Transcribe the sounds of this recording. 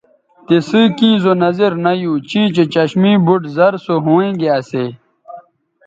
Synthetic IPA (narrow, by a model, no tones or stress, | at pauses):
t̪esɨkĩːzonɐziɾnɐjuːt͡ɕĩːt͡ɕet͡ɕɐɕmĩːbuʈzɐɾsoɦõːẽːɡeɐseː